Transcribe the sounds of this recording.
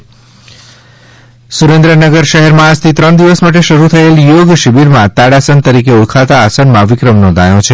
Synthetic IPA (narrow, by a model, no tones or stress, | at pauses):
suɾẽnd̪ɾənəɡəɾʃəɦɛɾmãad͡ʒt̪ʰit̪ɾəɳd̪iʋəsmaʈ̬eʃəɾut̪ʰəeljoɡʃibiɾmãt̪aɽasənt̪əɾikeuɽkʰat̪aːsənmãʋikɾəmnɔ̃nd̪ʱajõt͡ʃʰe